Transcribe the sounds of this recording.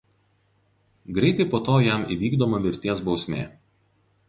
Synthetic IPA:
ɡɾʲɛɪt̪ɐɪpoːt̪oːjæˑmʔḭːʋʲiːɡd̪oːmɐʋʲɪɾʲt̪ʲiɛsbɒʊsʲmʲḛː

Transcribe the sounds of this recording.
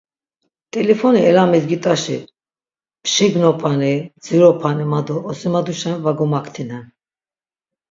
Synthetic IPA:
t̪ʼɛlɛfɔniɛlamɛd̪ɡit̪ʼaʃḭ | pʃiɡnɔpʰanid͡ziɾɔpʰanimad̪uːsimad̪uʃɛnvaɡɔmakʰt̪ʰinɛn

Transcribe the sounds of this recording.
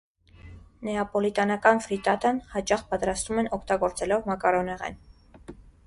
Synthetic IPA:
nɛɑpɔlit̪ɑnɑkɑnfɾit̪ɑt̪ɑnhɑt͡ʃɑχpɑt̪ɾɑst̪umɛnɔkʰt̪ɑɡɔɾt͡sɛlɔvmɑkɑɾɔnɛʁɛ̰n

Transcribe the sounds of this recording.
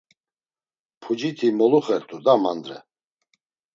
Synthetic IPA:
pʰud͡ʒit̪ʰimɔluχɛɾt̪ʼud̪ama̰nd̪ɾɛ̰

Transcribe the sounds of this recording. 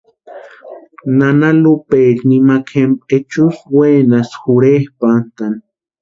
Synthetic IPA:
nanalupek̪nimakʰempet͡ʃusweːnasxuɾehpant̪an

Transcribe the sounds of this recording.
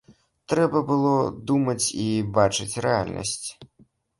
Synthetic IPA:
t̪ɾɛbɐbɨlˠɔd̪umɐt͡sʲibat͡ʂɨt͡sʲrɛalʲnʔɐ̰sʲt͡sʲ

